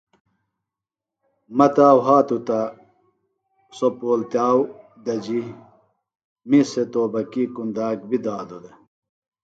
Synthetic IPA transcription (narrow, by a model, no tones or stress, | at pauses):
mɐt̪aːwɦaːt̪ut̪ɐ | sopoːlt̪jaːw | d̪ɐd͡ʑi | miset̪oːbɐkikund̪aːk̚bid̪aːd̪ud̪ɐ